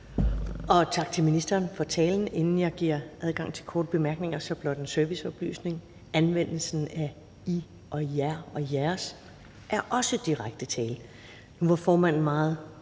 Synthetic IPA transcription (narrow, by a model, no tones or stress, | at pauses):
ɒ̽t͡sʰɑ̈ɡ̥̚t͡sʰe̝lminisd̥ɐːnfɒ̽t͡sʰɛːln̩e̝nn̩jɑ̈ɪɡ̥iɐ̰ʔæð̞ˠɡ̥ɑ̈ŋ̰t͡sʰe̝lkʰɒːd̥əb̥e̝mæɐɡ̥ne̝ŋɐsɒ̽b̥lɒ̽d̥ensøɐʋisɒ̽b̥ly̰ːsne̝ŋ | ænʋen̰l̩sn̩æ | i | ʔɒ̽jæɐ̰ɒ̽jæɐs | ʔæɐʔɒ̽səd̥iʁaɡ̥̚d̥ət͡sʰɛːl | nuʋɑ̈fɒːmæn̰n̩mɑ̈ːð̞̩ˠ